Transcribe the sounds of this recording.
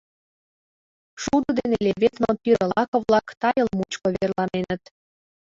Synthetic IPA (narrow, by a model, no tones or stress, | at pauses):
ʃud̪ŏd̪enelʲeβet̪nopiɾə̆lɑkŏβlɑkt̪ɑjə̆lmut͡ɕkoβerlɑnenə̆t̪